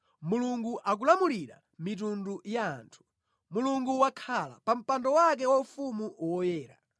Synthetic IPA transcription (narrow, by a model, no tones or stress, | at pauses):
muluŋɡuʔak̬ulamuliɾa | mit̬unduja̰ːntʰu̥ | muluŋɡuwakʰala̰pam̩pandɔwak̬ɛwafumuwɔjɛːɾa̰